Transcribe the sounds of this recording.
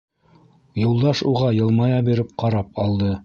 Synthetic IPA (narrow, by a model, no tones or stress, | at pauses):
julˠd̪ɑʃuʁɑjɤ̆lˠmɑjɑbiɾɘp̚qɑɾɑp̚ɑlˠd̪ɤ